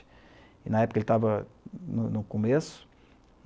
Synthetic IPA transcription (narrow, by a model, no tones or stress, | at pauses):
ɪnɐɛpʊkɐelɪt̪avɐnʊnʊkomesʊ̥